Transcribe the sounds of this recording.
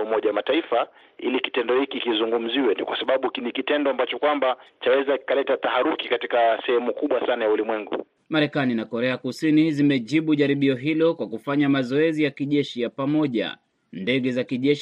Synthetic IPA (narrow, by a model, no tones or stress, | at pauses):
umɔʄawamataifa | ḭliki̥tɛndɔhikikizuŋɡum̩ziwɛnikwasaɓaɓukinikitɛndɔambat͡ʃɔkwambat͡ʃawɛzaki̥kalɛtat̪ahaɾukikatikasɛhɛmukuɓwasanajaulimwɛŋɡṵ | maɾɛkaninakɔɾɛakusinizimɛʄiɓuʄaɾiɓiɔɦilɔkwakufaɲamazɔɛzijakiʄɛʃijapamɔʄa̰ | ndɛɠɛzakiʄɛʃ